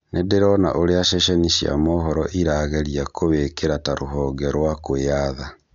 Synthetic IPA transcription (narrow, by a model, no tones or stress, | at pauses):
nʔedeɾɔna̰ʔoɾeaʃɛʃɛniʃia̰mɔːɦɔɾɔ̰ʔiɾaːɣɛɾiakʰoβekeɾataɾoɦɔːɡaɾwakoaða